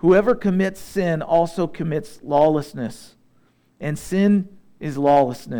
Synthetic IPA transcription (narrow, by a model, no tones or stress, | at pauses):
huɛvə˞kʰɨmɪtsɪ̃nɔlˠsoʊkʰɨmɪtslɔlˠəsnɨs | ʔɨ̃nsɪ̃n | ʔɨzlɔləsnɨ